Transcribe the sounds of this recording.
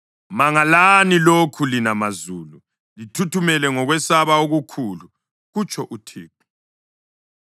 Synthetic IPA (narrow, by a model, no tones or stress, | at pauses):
maŋalanilokʰulinamazuːlu | litʰutʰumɛlɛŋɔɣwɛsaβaoɣukʰulu | ɣut͡ʃʰʼɔʔutʰiːp̚ʰu̥